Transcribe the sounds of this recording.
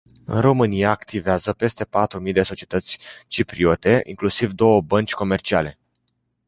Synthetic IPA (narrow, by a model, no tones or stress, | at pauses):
ɨ̰nro̞mɨnijaːkt̪iveazəpe̞st̪e̞pat̪ɾumijd̪e̞so̞t͡ʃiet̪ət̪sʲt͡ʃipɾio̞t̪e̞ʔḭŋklusivd̪o̞wəbənt͡ʃʲko̞me̞rt͡ʃiale̞